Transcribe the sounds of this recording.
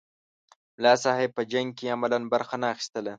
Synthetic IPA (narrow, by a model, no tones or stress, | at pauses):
mlɑsɑɦɪb̚pːəd͡ʒaŋɡ̚keamalanbaɾxanaːxi̥st̪əla